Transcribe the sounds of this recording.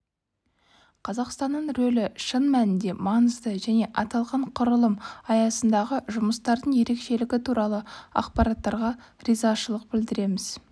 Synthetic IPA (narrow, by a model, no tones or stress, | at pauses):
qʰɑzɑqst̪ɑnːəɴɾɵlɪʃənmænɪnd̪e̞mɑnəzd̪əʒæne̞ʔɑt̪ɑlˠʁɑɴqʰʊɾəlˠəmɑjɑsənd̪ɑʁəʒʊməst̪ɑɾd̪əɴje̞ɾe̞kʃe̞lɪɡʲɪt̪ʰuɾɑlˠəɑ̰qpɑɾɑt̪ːɑɾʁɑ | rizɑʃəlˠəq̚bɪld̪ɪɾe̞mɪz̥